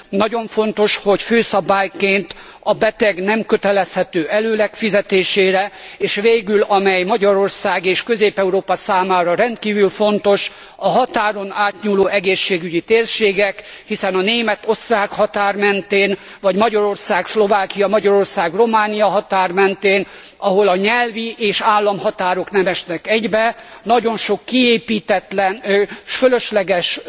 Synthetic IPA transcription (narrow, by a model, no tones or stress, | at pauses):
nɒɟo̞ɱfo̞nt̪o̞ʃho̞cføːsɒbaːjkeːnt̪ | ɒbɛt̪ɛɡnɛmkøt̪ɛlɛshɛt̪øːʔɛløːlɛkfizɛt̪eːʃeːɾɛeːʃʋeːɡylɒmɛjmɒɟɒɾo̞rsaːɡeːʃkøzeːpɛuɾoːpɒsaːmaːɾɒɾɛnt̪̚kiːvylfo̞nt̪o̞ʃ | ɒɦɒt̪aːɾo̞naːt̪ɲuːloːɛɡeːʃːeːɡyɟit̪eːrʃeːɡɛkhisɛnɒneːmɛt̪o̞st̪raːkhɒt̪aːrmɛnt̪eːn | vɒɟmɒɟɒɾo̞rsaːkslo̞vaːkijɒmɒɟɒɾo̞rsaːɡro̞maːnijɒɦɒt̪aːrmɛnt̪eːn | ɒɦo̞lɒɲɛlviʔeːʃaːlːɒmhɒt̪aːɾo̞knɛmɛʃnɛkɛɟbɛnɒɟo̞nʃo̞kːieːpiːt̪ɛt̪lɛnføløʃlɛɡɛʃ